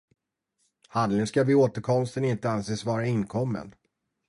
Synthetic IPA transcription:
hand̪lɪnskavɪoːt̪əɾkʰɔnst̪ənɪnt̪əanseːsvɑːɾaɪnkʰɔmːə̰n

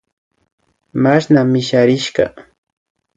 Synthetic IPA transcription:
maʃnamɪʃaɾɪʃkɑ̰

